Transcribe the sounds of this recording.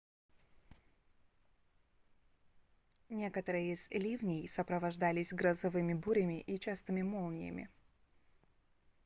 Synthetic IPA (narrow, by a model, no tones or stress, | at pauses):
nʲekət̪əɾɨjəɪz̥lʲivnʲɪjsəpɾəvɐʐd̪alʲɪsʲɡɾəzɐvɨmʲɪbuɾʲɪmʲɪʔit͡ɕast̪ɨmʲɪmolˠnʲɪjə̰mʲɪ̰